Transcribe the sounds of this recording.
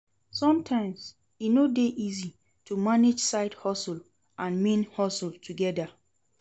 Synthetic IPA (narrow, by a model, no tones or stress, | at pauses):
sɔ̃mtʰãɪ̃ms | inodeʔizi | tumaned͡ʒsaɪdhɔsul | ʔãnmĩnhɔsultʰuɡɛda